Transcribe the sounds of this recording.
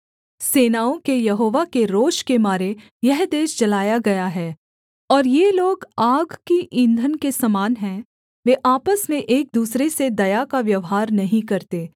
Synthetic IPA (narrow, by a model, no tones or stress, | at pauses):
seːnaːõkejɐɦoːʋakeɾoːʃkemaːɾe | jɛɦd̪eːʃt͡ʃɐlaːjaɡɐjaɦɛː | ɔːɾjeloːɡaːɡkiʔɪ̃nd̪ʱənkesɐmaːnɦɛ̃ | ʋeʔaːpəsmẽʔeːk̚d̪uːsɾesed̪ɐjakaʋjɐʋɦaːɾnɐɦĩkɐɾt̪eː